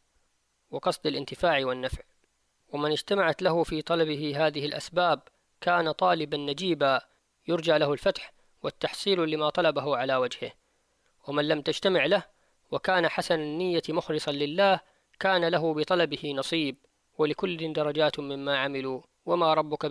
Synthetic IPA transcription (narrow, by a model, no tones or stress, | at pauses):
wɪqɑsˤd̪alʔɪnt̪ɪfaːʕwɪnːafʕ | wamɪnɪd͡ʒt̪amaʕat̪laɦʊfiːt̪ˤɑlɑbɪɦɪɦaːðɪhɪlʔa̰sbaːb̚ | kaːnat̪ˤɑːlɪbanːad͡ʒiːba | jʊɾˤd͡ʒaʕlahʊlfat̪ħ | wat̪ːɑħsˤiːllɪmat̪ˤɑlɑbaɦʊʕalaːwad͡ʒhɪ̰h | wamanlamt̪ad͡ʒt̪amɪʕlah | wakaːnaħasannːɪjːamʊxlɪsˤɑnlɪlːaːh | kaːnalaɦʊbɪt̪ˤɑlɑbɪhɪnɑsˤiːb | walɪkʊlːɪd̪ɑɾˤɑd͡ʒaːt̪mɪmːaːʕamɪlu | wamaːɾˤɑbːʊka